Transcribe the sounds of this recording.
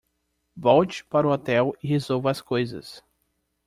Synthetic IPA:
vɔwt͡ʃɪ̥paɾʊɔt̪ɛwɪhezowvɐskojzɐ̰s

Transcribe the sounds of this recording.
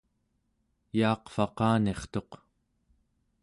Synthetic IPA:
jɑːqfɑqɑːne̞χt̪o̞q

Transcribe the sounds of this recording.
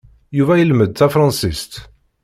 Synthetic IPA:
juvæjəlməd̪̚θæfɾˤɑ̃nsist̪

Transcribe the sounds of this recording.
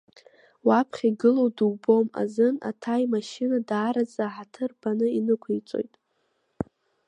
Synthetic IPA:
wapʰχʲiɡɨlo̞wdubo̞ma̰zɨna̰tʰajmaʃɪnadaːɾad͡zaħatʰɨrbanɨinɨkʷʰijt͡sʼo̞̰jtʼ

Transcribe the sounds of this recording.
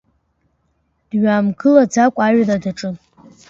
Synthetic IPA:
d̥ɥaːmɡʰɨlad͡zakʷʼaɥladaʈ͡ʂʼɨn

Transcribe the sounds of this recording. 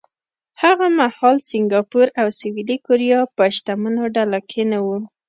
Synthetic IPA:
haɣamahɑlsɪŋɡɑpuɾawsɪwilikoɾijɑpəʃt̪amənoɖalakʰenawu

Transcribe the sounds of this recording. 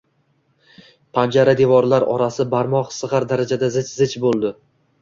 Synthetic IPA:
pʰand͡ʒaɾad̪evɒɾlaɾɒ̰ɾasɪbaɾmɒqsɨʁɑɾd̪aɾad͡ʒad̪azɪt͡ʃzɪt͡ʃbolˠd̪ɪ

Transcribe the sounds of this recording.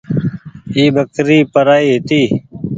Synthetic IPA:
iːbəkɾiːpəɾaːiːɦɪt̪iː

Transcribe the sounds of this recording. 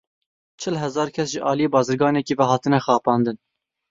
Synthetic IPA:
t͡ʃʰɪlɦɛzɑːɾkʲʰɛsʒəʔɑːlijeːbɑːzɨɾɡɑːnɛkivɛɦɑːt̪ɨnɛxɑːpɑːnd̪ɨn

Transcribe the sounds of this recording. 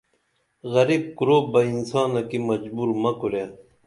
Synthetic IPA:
ɣɐɾib̚kuɾoːbɐinsɑːnɐkimɐd͡ʑbuːɾmɐkuɾe

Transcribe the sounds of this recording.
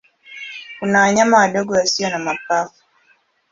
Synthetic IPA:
kunawaɲamawaɗɔɡɔwasiɔnamapafu̥

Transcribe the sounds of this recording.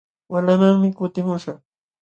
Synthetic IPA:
walamaŋmɪkʊt̪ɪmʊʃɑχ

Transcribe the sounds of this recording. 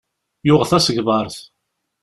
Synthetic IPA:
jʊʁθæsəɡvɑɾˤθ

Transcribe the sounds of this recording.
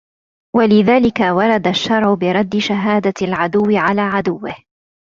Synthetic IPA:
walɪðaːlɪkawɑɾˤɑd̪aʃːɑɾˤʕʊbɪɾˤɑd̪ːɪʃaɦaːd̪alʕad̪ʊwːɪʕalaːʕad̪ʊwːɪh

